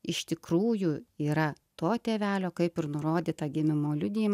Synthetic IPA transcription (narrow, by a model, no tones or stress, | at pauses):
ɪʃt̪ʲɪkɾuːjuiːɾɐt̪oːt̪ʲeːʋʲæːlʲoːkɐɪpɪɾnʊɾoːd̪ʲiːt̪ɐɡʲɪmʲɪmoːlʲʊd̪ʲiːm